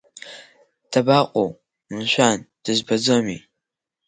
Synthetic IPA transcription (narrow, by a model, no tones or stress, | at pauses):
d̥ʰɐbaːqʷʼow | mɨɕʷaːnd̥ɨzbɐd͡zomḭː